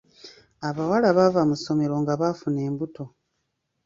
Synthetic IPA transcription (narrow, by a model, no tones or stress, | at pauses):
aβawalaβavamuso̞me̞ɾo̞ŋɡaβafune̞ːmbuto̞